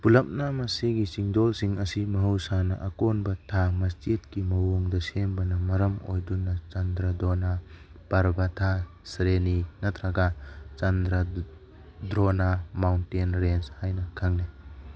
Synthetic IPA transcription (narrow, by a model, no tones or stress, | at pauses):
pulɐp̚namɐsiɡisiŋdɔlsiŋɐsimɐɦuwsanɐʔɐkonbɐtʰamɐst͡ʃit̚kimɐwoŋdɐsenbɐnɐmɐɾɐmo̰jdunːɐt͡ʃɐnd̪ɾɐdona | b̥ɐɾbɐtʰa | sɾeninɐt̪ʰɾaɡat͡ʃɐndɾa | dɾonamawntenɾenshajnɐkʰaŋni